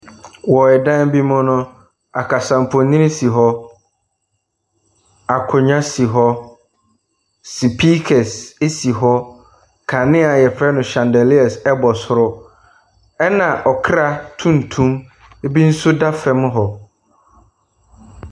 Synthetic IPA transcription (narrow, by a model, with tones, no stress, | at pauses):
wɔ˨ɛ˨dã˦n˦bi˦mʊ̃˦nʊ̃˦ | a˨kʰa˨sã˨m˨pʰʊ˨nĩ˦nĩ˦si˨ɦɔ˦ | a˨kʰʊ˨ɲã˦si˨ɦɔ˦ | si˨pʰi˦kʰɛ˨se˦si˨ɦɔ˦ | kʰa˨nɪ̃˦a˨jɛ˨pʰɾɛ˦nʊ̃˨ɕã˨ndɛ˨li˦ɛ˨sɛ˦bɔ˨sʊ˨ɾʊ˦ | ɛ˦nã˨ʔɔ˨kʰɾa˦tʰũ˦n˨tʰũ˦m | e˦bi˦n̩˦sʊ˦da˦fɛ˦m̃˦ɦɔ˨